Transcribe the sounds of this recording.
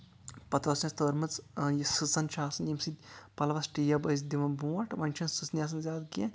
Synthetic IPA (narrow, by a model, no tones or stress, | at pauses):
pɐt̪ɾɐsʲɐ̃st̪oːɾmɐt͡sjisɨt͡sɐnt͡ʃʰaːsɐnjimsit̪ʲpɐlʋɐsʈijɐbɐz̬d̪imɐnbũːɐʈʋɐnʲt͡ʃʰɐnsɨsnʲjaːs̬ɐnzʲaːd̪ɡẽ